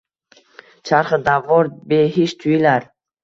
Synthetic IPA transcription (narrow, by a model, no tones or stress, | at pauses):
t͡ʃʰaɾχəd̪avːɔɾbeɦiʃt̪ʰuilaɾ